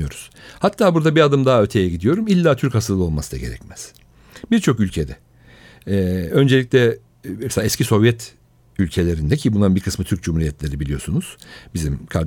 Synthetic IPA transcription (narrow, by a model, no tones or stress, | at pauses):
jo̞ɾuz̥hat̪ʰːaːbuɾd̪abiad̪ɯmd̪aɦaøt̪ʰe̞jɛɟid̪ijo̞ɾumilʲːaːt̪ʰyɾchasɯlˠɯo̞lˠmasɯd̪a̰ɟe̞̰ɾɛ̰cmɛz̥ | biɾt͡ʃʰo̞kylʲcʰed̪ɛ | ø̞nd͡ʒe̞lʲiclʲɛ | ɛselʲaːɛscʰiso̞vjɛt̪ | ylʲcʰe̞lʲeɾind̪ɛcʰibunˠaɯnbiɾkʰɯsmɯt̪ʰyɾc̚d͡ʒumhuɾijɛt̪lʲe̞ɾibilʲijo̞̰sunuz̥bizimkʰaɾd̪